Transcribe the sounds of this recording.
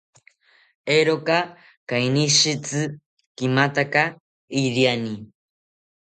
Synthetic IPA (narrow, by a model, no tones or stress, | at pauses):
eɾoka | kajniʃit͡sɨ | kimat̪aka | iɾiani